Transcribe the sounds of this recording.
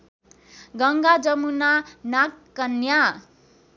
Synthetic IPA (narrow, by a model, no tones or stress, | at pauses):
ɡʌŋɡad͡zʌmunanakːʌnja